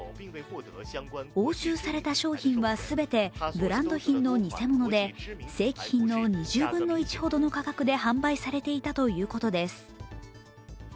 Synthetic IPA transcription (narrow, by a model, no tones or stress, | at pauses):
o̞ːɕɨːsaɾe̞t̪aɕo̞ːçĩɰ̃βasɨbe̞t̪e̞bɯ̟ɾãnd̪o̞çĩnːo̞ɲ̟ise̞mo̞no̞d̪e̞se̞ːkʲi̥çĩnːo̞ɲ̟iʑɨːbɯ̟̃nːo̞it͡ɕi̥ho̞d̪o̞no̞kakakɯ̟d̪e̞ɦãmbaisaɾe̞t̪e̞it̪at̪o̞jɯ̟ːko̞t̪o̞d̪e̞sɨ̥